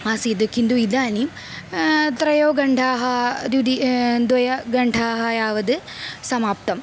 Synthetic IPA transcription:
maːsid̪ɨkind̪uid̪aːnim | t̪ɾɐjoːɡɐɳɖʱaːɦɐd̪ud̪id̪ʋɐjɐɡɐɳɖʱaːɦɐjaːʋɐd̪ɨ | sɐmaːp̚t̪ɐm

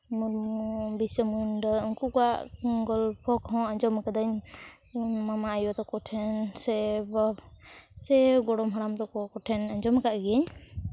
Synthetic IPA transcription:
muɾbisəmunɖɔuŋkukaʔɡɔlpʰɔkɦɔ̃aɲd͡ʒɔmkad̪aɲ | mamaːjɔt̪ɔkɔʈʰɛnsɛbɔ | sɛɡɔɽɔmɦaɽamt̪ɔkɔkɔʈʰɛnaɲd͡ʒɔmkaʔɡɛɲ

